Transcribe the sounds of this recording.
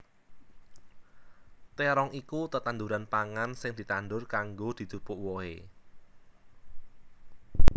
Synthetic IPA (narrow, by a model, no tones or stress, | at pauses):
t̪eɾɔŋikut̪ət̪and̪uɾanpaŋansɪŋd̪̥i̤t̪anɖ̪ʊrkaŋɡod̪̥i̤t̪upʊʔwɔḛ